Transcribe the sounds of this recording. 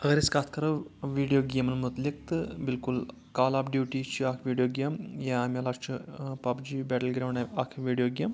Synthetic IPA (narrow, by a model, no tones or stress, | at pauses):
ɐɣɐɾiskaːt̪ʰkɐɾɐʋiːɖijoːɡemɐnmut̪lik̚t̪ɨbɪlkul | kaːlaːpɖjuːʈit͡ʃʰiakʰʋiːɖijoːɡemjaamʲɐlaːt͡ʃʰipabd͡ʒiːbɛːʈəlɡɾaːɳɖaakʰʋiːɖijoːɡʲem